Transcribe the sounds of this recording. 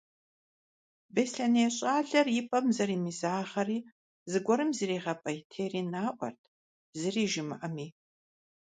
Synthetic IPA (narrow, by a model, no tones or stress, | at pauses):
besɬɐneːɕʼaːɮɐrjɪpʼɐmzɐɾiːmizaːʁɐriː | zɨɡʷɔɾɨmzɨriːʁɐpʼɐjtʰeːriːnaːʔʷɔ̰rtʰ | zɨriːʒɪmɨʔɐmiː